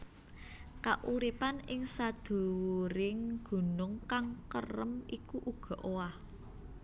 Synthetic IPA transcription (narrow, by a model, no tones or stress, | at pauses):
kaʔuɾipanɪŋsad̪̥o̤wɾɪŋɡ̥ṳnʊŋkaŋkərəmikuʔuɡ̥ɔ̤ʔowah